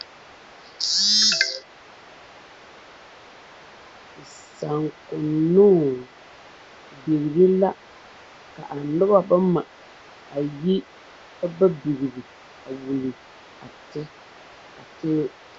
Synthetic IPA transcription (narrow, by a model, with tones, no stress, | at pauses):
sa˨ŋkʊ˨nʊ˦˨ | bi˨ɣi˨ɾi˦la˦ | ka̰˨ʔa˨nʊ˦ba˦ba˦ma˨ | a˨ji˦ | ba˦ba˦bi˨ɣi˨ɾi˨ | a˨wu˨li˨ | a˨tɪ˦ | a˨tɪ˦